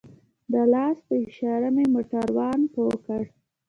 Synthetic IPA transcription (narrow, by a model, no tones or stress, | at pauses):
d̪əlɑsd̪əʃɑɾamemoʈaɾwɑnpokəɽ